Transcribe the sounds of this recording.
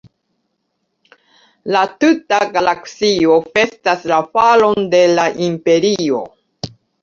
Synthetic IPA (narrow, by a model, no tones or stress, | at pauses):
latutaɡalaksio̞fe̞staslafalo̞nde̞laʔimpe̞ɾio̞̰